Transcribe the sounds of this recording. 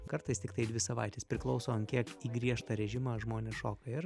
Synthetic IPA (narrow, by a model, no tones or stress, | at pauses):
kɐɾt̪ɐɪst̪ʲɪkt̪ɐɪd̪ʲʋʲɪsɐʋɐ̰ɪt̪ʲɛspʲɾʲɪklˠɒʊsoːɐnkʲiɛkiːɡɾʲiɛʃt̪ɐɾʲɛʒʲɪmɑːʒmoːnʲeːsʃoːkɐɪɾ